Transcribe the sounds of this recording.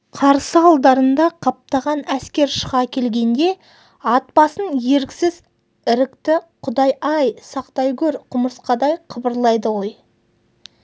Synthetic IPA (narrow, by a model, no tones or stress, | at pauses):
qʰɑɾsəɑlˠd̪ɑɾənd̪ɑqʰɑp̚t̪ɑʁɑnæskʲe̞ɾʃəʁɑkʲʰe̞lɡʲe̞nd̪e̞ | ɑt̪̚pɑsənje̞ɾkʲsɪz | ɪɾɪkt̪ɪqʰʊd̪ɑjʔɑjsɑqt̪ɑjkʲɵɾqʰʊməsqɑd̪ɑjqʰəbəɾlˠɑjd̪əwo̞j